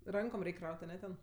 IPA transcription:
ˈrɐŋkoːm ˈrʲɛɪkʲ ˈkrɐʊtʲ ɐˈnʲɛ tʲɛn

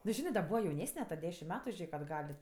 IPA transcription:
nʊ ˈʒʲɪnɜ dɐ ˈbuːʋɐ jɛʊˈnʲæːsʲnʲɛ tɐ ˈdʲæːʃʲɪm ˈmʲɛt ˈʒʲeːk ɐdˈɡɐlʲ

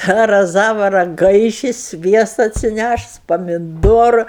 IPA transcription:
tɑː rɐˈzɑːʋɐ rɐˈɡɐɪʃʲɪ ˈsʲʋʲiɛstɐ ɐtʲsʲɪˈnʲæʃʊs pɐmʲɪˈdoːrʊ

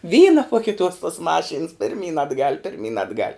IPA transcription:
ˈʋʲiːnɐ poː kʲɪˈtuɔs tuɔs ˈmɑːˌʃʲiːns pʲɪrʲˈmʲiːn ɐdˈɡɐlʲ pʲɪrʲˈmʲiːn ɐdˈɡɐlʲ

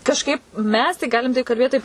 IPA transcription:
kɐʃˈkɐɪp ˈmʲɛs tɐɪ ˈɡɑːlʲɪm tɐɪ kɐlʲˈbʲeːt tɐɪp

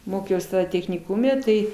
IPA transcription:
ˈmoːkʲɛʊs tʲɛxʲnʲɪˈkʊmʲɛ ˈtɐɪ

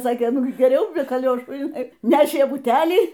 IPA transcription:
ˈsɑːkʲeː ˈnʊ ˈɡʲɪ ɡʲɛˈrʲɛʊ bʲɛ kɐˈlʲoːʃuː ɪˈnɐɪ ˈnʲæːʃʲeː bʊˈtʲælʲiː

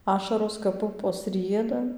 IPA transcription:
ˈɑːʃɐroːs kɐp ˈpʊpoːs ˈrʲiɛdɐ

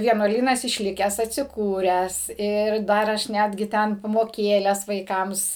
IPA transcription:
ʋʲiɛnuɔˈlʲiːnɐs ɪʃʲˈlʲɪkʲæːs ɐtʲsʲɪˈkuːrʲæːs ˈɪr ˈdɐr ˈɐʃ ˈnʲæːdʲɡʲɪ ˈtʲɛn pɐmoːˈkʲeːlʲɛs ʋɐɪˈkɐms

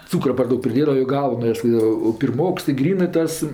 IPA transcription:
ˈt͡suːkrɐ pɐr ˈdɐʊk pʲrʲɪˈdʲeːdɐʋɐ joː ˈɡɐʊnɐs joː pʲɪrˈmoːks ɪ ˈɡrʲiːnɜ ˈtɐs

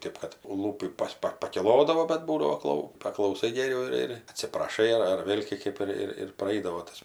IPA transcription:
ˈtʲeːp kɐt ˈlˠuːpʲiː ˈpɐs ˈpɐ pɐkʲɪˈlˠoːdɐʋoː bɐt ˈbuːdɐʋoː ˈklˠɐʊ pɐklˠɐʊˈsɐɪ ɡʲɛˈrʲɛʊ ɪr ɪr ɐtʲsʲɪprɐˈʃɐɪ ɐr ɐr ˈʋʲeːlʲ kʲeː ˈkɜp ɪr ɪr prɐˈɛɪdɐʋoː ˈtɐs

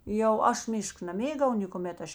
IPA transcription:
jɛʊ ˈɐʃ ˈmʲɪʃk nɐˈmʲeːɡɐʊ nʲeːkʊˈmʲɛt ˈɐʃ

